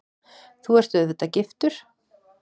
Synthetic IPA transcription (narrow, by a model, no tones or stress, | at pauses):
θuɛɾ̥t̪ɛðθɛt̪ːacɪft̪ʏɾ̥